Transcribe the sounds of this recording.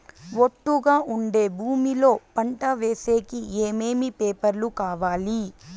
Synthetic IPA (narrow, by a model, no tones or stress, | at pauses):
ʋoʈːuɡaːʔuɳɖeːbʱuːmilo̞ːpɐɳʈɐʋe̞ːseːkieːmeːmipeːpɐɾlukaːʋaːli